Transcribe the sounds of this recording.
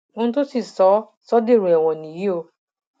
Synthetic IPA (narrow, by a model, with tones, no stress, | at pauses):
o˦n̩˦to˦si˨sɔ˨˦ | sɔ˦de˦˨ɾu˨ɛ˨wɔ̃˨nĩ˨ji˦o˧